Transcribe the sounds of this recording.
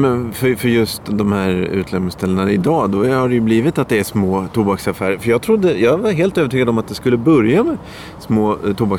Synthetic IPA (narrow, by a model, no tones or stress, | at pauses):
mɛnfœɾfœɾjɵst̪d̪ɔmhæːɾʉ̟̰ːt̪ʰlɛmnɪst̪ʰɛlːənaɪd̪ɑːd̪ɔhaɖɛjɵbliːvɪt̪at̪̚d̪ɛæʂmoːt̪ʰuːbaksafæːɾəɾfœjɑːɡ̚t̪ʰɾʊd̪ːəjɑːɡvɑɦeːlt̪øːvəʈʰyːɡad̪ɔmat̪̚d̪ɛskɵlːəbœɾjamɛ | smoːt̪ʰuːbak